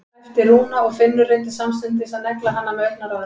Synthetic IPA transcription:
ft̪ɪɾhuːnaɔɣfɪnːʏɾent̪̬ɪ̥samst̪ʏnt̪̬ɪsɛmnɛklahanːamɛet̪̚naɾav

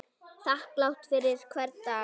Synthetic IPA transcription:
θahklawht̪fɪɾɪð̥kʰvɛɾt̪a

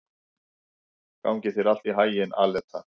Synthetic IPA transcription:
ka̰wŋcɪθɪɾal̥t̪iɦaːjɪnalɛt̪ʰːa

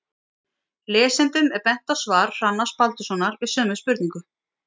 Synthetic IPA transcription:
lɛːsɛnt̪ʏmɛɾpɛn̥t̪awsvaːɾ̥ːanːaspalt̪ʏsɔnaɾvɪðsœːmʏspʏɾt̪niŋkʏ

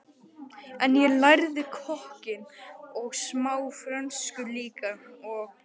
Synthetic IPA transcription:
ɛnjɛlajɾðɪkʰɔhcɪnɔɣsmaːwfɾanskʏliːkaɔɣ

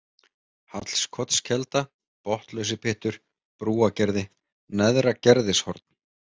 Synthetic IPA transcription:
hat̪l̥skʰɔt̪scʰɛlt̪a | pɔht̪lœɥs̬ɪpʰɪht̪ʏɾ̥ | pɾuːacɛɾðɪ | nɛðɾacɛɾðɪshɔɾt̪̚n̥

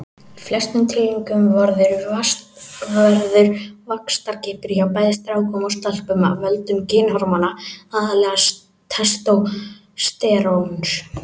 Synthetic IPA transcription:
flɛst̪nʏmt̪ʰɪlːiŋkʏmvaɾðʏɾvast̪ | vaɛɾðʏɾ̥vakst̪aɾcɪːhpɪɾçawpaːjðɪst̪ɾaːwkʰɔmɔst̪al̥pʏma̰vœlt̪ʏmcɪːnhɔɾmanaaːðalɛːɣa | t̪ʰɛst̪ow | st̪ɛːɾons

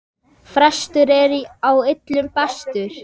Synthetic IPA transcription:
fɾɛst̪ʏɾɛɾiawɪt̪lʏmpɛst̪ʏɾ̥

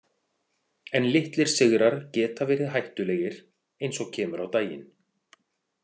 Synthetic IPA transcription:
ɛnlɪht̪lɪɾ̥sɪɣɾaɾ̥cɛːt̪avɛːɾɪðɦajht̪ʏlɛɣɪɾ̥ | ejnsɔɣcʰɛːmʏɾawt̪aːjɪ̰n

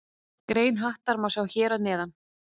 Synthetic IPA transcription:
kɾeːjnɦaht̪aɾmasawçɛːɾanɛːðan

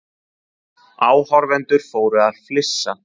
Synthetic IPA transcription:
aːwhɔɾvɛnt̪ʏɾ̥foːwɾʏaðflɪsːa

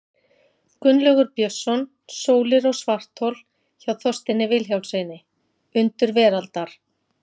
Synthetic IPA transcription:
kʏnlœɣʏɾpjœsːɔn | soːwlɪɾɔɣsvar̥t̪ʰowl | çawθɔst̪ɪnːɪvɪlçjawlseːjnɪ | ʏnt̪ʏɾvɛːɾalt̪aɾ̥

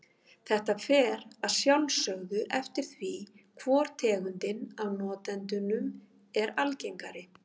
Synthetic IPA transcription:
θɛht̪afɛːɾaðsjawlsœɣðʏʔɛft̪ɪɾ̥θvikʰvɔːɾ̥t̪ʰɛːɣʏnt̪ɪnawnɔːt̪ɛnt̪ʏnʏm | ɛɾalcejŋkaɾɪ

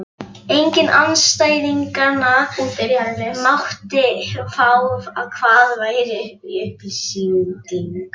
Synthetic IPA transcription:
ejɲcɪnʔanst̪aːjðiŋkana | mawht̪ɪfawvaðkʰvaːðvaːjɾɪiʏhplsit̪iŋk

